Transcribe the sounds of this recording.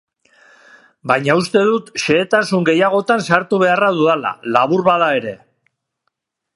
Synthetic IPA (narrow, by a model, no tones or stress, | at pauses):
bajɲaust̪e̞ðut̪ʃe̞ːt̪asuŋɡe̞jaɣ̞o̞t̪ansaɾt̪uβ̞e̞araðuðala̰laβuɾβaðae̞ɾe̞